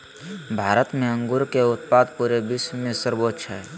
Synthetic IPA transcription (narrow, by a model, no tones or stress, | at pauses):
bʱaːɾət̪mẽə̃ŋɡʊɾkeʊt̪̚paːd̪puɾebɪsmẽsəɾboːtʃʰaɦɛː